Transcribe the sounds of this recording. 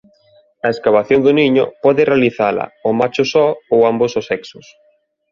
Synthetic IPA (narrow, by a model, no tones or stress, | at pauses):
ɐeskaβ̞aθjoŋd̪ʊniɲʊ̰pɔðɪrealiθalɐ̰ɔmat͡ʃʊsɔowambʊsʊsɛksʊs